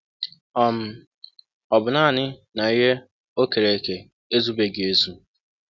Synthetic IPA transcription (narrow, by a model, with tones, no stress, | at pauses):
ɔ˨m̩˦ | ɔ˨bʊ˨na˦˨nɪ˦na˨i˦ɦe˦ | o˦ke˨ɾe˨e˨ke˨ | e˦zu˦be˦ɡe˦zu˦